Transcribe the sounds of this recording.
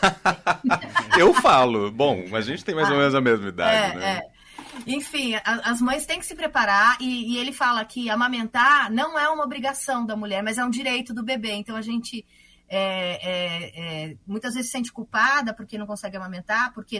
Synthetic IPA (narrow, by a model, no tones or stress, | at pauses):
ewfalʊbõɐʒẽnt͡ʃɪt̪ẽj̃majzomẽnʊzɐmezmɐid̪a̰ɛɪnɛ̰ɛ | ẽj̃fĩʔɐɐzmɐ̃j̃st̪ẽj̃kɪ̥sɪpɾepaɾaɾɪːelɪfalɐkʰɪamɐ̃mẽnt̪aɾnɐ̃w̃ɛũmɐobɾiɡasɐ̃w̃d̪ɐmuʎɛɾmɐzɛũd͡ʒiɾejt̪ʊd̪ʊbebeẽnt̪ɐ̃w̃ɐʒẽnt͡ʃɪ | ɛɛɛmũj̃t̪ɐzvezɪsːẽnt͡ʃɪ̥kuwpad̪ɐpoɾkenɐ̃w̃kõsɛɡɪamãmẽnt̪aɾpoɾke